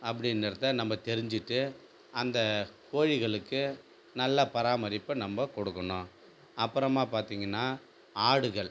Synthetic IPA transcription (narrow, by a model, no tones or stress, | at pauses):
ɐpːɐɽɪnːɐɾɐt̪ːɐnɐmbɐt̪ɛɾɪɲd͡ʒɪʈːɯ | ɐnd̪ɐkoːɻɪɣɐɭɯkːɯ | nɐlːɐpɐɾaːmɐɾɪpːɯnɐmbɐkɔɽɯkːɐɳõ | ɐpːɯɾɐmaːpaːɾt̪iːŋɡɐnːaː | aːɽɯɣɐɭ